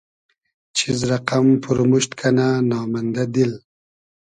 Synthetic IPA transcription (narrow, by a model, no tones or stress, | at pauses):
t͡ʃʰizɾaqampʰuɾmuɕt̪kʰananɑːmand̪ad̪il